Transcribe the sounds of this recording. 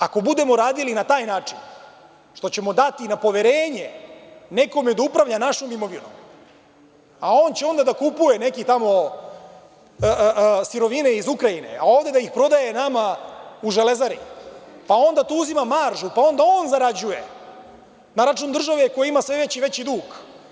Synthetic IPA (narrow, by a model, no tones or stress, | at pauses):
ako̞bud̪e̞mo̞ɾaːd̪ilinat̪aːjnaːt͡ʂin | ʃt̪o̞t͡ɕe̞mo̞d̪at̪inapo̞ʋeɾe̞ːɲe̞ne̞ko̞me̞d̪aupɾaʋʎanaʃomimo̞ʋino̰m | ao̞ːnt͡ɕeo̞nd̪ad̪akupuje̞ne̞kit̪amo̞ | siɾo̞ʋine̞izukɾajine̞̰a̰o̞ːvd̪e̞d̪aixpɾo̞d̪aje̞namauʒele̞zaɾḭpao̞nd̪at̪uːuzimamaɾʒupao̞nd̪ao̞nzaɾad͡ʑuje̞̰ | naɾat͡ʃund̪r̩ʒaʋeko̞jiimasʋeʋet͡ɕiʋe̞t͡ɕid̪uːɡ